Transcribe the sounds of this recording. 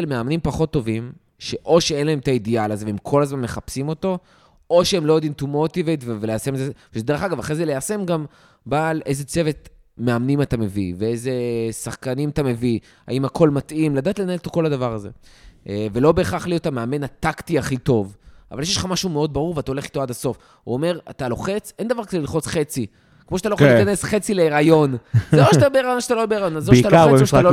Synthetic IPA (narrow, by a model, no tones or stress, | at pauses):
lmeamnimpaχo̞t̪ːo̞vim | ʃe̞ʔo̞ʃeenlae̞mt̪aid̪ialazeveemkʰo̞lazmanmeχapsimo̞t̪o̞ | o̞ʃeemlo̞jod̪imt̪umo̞t̪ivejtveveleasemeze | ʃde̞ʁeχaɡavaχʁezelease̞mɡam | baːlejze̞t͡sevet̪ | me̞amnimatame̞viveeze̞saχkanimat̪ame̞vi | a̰imakʰo̞lmat̪imladaːt̪lenaelot̪oko̞lad̪avaʁaze̞̰ | velo̞be̞ːχaχlijotameame̞nhatakt̪iaχit̪o̞va̰valjeʃeʃlχamaʃumeo̞d̪̚baʁuʁveatao̞le̞χi̥t̪oad̪aso̞f | ṵome̞ʁat̪alo̞χe̞t͡sʔend̪avaʁkad̪elilχo̞t͡sχet͡si | kmoʃat̪aloiikane̞sχe̞t͡sileːʁajo̞nzeoʃat̪abeeʁajonʃat̪alobeeʁajo̞nazoat̪aaoaalo